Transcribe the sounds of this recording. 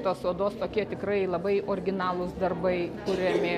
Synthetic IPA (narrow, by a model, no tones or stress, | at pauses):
t̪oːsoːd̪oːst̪oːkʲiɛt̪ʲɪkɾɐɪlˠɐbɐɪʔoːɾʲɡʲɪnɑːlˠʊsd̪ɐrbɐɪkʊɾʲɛmʲɪ